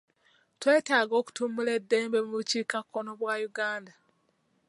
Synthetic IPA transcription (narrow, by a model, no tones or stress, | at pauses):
twe̞ːtaːɡo̞ːku̥tumule̞dːe̞ːmbe̞muβuciːkakːo̞no̞βwajuɡaːnda